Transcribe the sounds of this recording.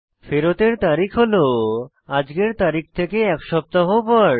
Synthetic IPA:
feɾot̪eɾt̪aɾikʰɦolo | ad͡ʑɡeɾt̪aɾik̚ʰt̪ʰekeɛkʃɔb̚t̪aɦopɔɾ

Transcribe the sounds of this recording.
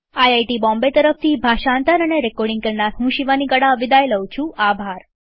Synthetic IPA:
ajajʈibɔ̃mbet̪əɾəft̪ʰibʱaʃãnt̪əɾəneɾekoɾɖĩŋɡkəlnaɾɦũʃiʋanikəɽaʋid̪ajləũt͡ʃʰũabʱaɾ

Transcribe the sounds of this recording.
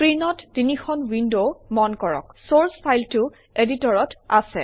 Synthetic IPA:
pɹinɔtːinixʰɔnwindomɔnkɔɹɔ̰ksoɹstʰajltʊ | editɔɹɔta̰sɛ̰

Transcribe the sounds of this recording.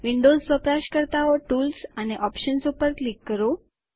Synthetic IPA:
ʋiɳɖosʋəpɾaʃkəɾt̪aɔʈulsaneʔɔpʃənsupəɾklikːəɾo

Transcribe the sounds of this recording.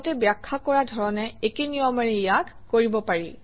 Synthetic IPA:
tɛbjakʰːakɔɹadʱɔɹɔnɛekenijɔmaɹɛjak | koɹibɔpaɹi

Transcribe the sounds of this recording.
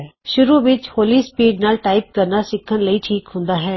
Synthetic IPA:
ʃʊɾuʋɪt͡ʃhoːliːspiːɖnaːlʈaːɪp̚kəɾnaːsɪkʰːənləiːʈʰiːkɦʊ̃nd̪aːɦɛː

